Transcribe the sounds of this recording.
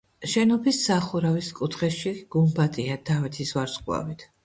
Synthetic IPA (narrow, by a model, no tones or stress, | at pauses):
ʃɛnɔpʰisːaχuɾaviskʼut̪ʰχɛʃiɡ̥umbat̪ʼiad̪̥avɛt̪ʰisvaɾsqʼwa̰vit̪ʰ